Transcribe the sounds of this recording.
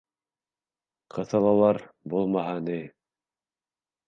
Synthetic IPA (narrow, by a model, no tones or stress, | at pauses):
qʰɤ̆θɤ̆lˠɑwlˠɑɾ | bulˠmɑɦɑni